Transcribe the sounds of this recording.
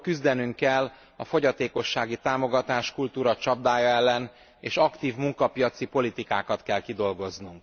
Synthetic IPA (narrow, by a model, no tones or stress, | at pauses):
kyzd̪ɛnyŋkɛlː | ɒfo̞ɟɒt̪eːko̞ʃːaːɡit̪aːmo̞ɡɒt̪aːʃkult̪uːɾɒt͡ʃɒbd̪aːjɒɛlːɛn | eːʃɒkt̪iːvmuŋkɒpijɒt̪sipo̞lit̪ikaːkɒt̪kɛlkid̪o̞lɡo̞znuŋk